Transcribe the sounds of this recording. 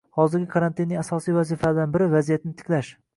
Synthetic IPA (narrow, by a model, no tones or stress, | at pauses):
hɒzɪɾɡʲɪkʰaɾant̪ʰinːɪŋasɒsijvazifaad̪anbɪɾɪvazijat̪nɪt̪ʰɪ̥kʲlaʃ